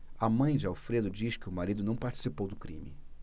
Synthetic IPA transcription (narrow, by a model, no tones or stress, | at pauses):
amɐ̃j̃d͡ʒɪawfɾed̪ʊd͡ʒiʃkɪʊmaɾid̪ʊnɐ̃w̃paɾt͡ʃi̥sipowd̪ʊkɾḭ̃mḭ